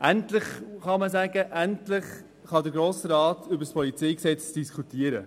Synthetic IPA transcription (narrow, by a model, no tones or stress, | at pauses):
ʔæntlɪχχɑməsæːɡəʔæntlɪχ | χɑdəɾɡɾoːsɾɑːtʰʏbəɾspʰɔlit͡seɪksɛt͡sd̥iskʰutiəɾə̰